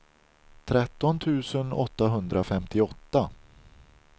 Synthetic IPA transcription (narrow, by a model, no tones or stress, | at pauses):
t̪ʰɾɛt̪ːɔnt̪ʰʉ̟ːsənɔ̰t̪ːaɦɵnd̪ɾafɛmt̪ʰɪɔt̪ːa